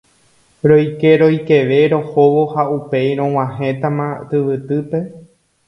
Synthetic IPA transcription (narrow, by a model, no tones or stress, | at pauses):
ɾojke̞ɾo̞jke̞ʋe̞ɾo̞hoʋohaupe̞jɾ̃õw̃ãɦẽ̞t̪amãt̪ɨʋɨt̪ɨpe̞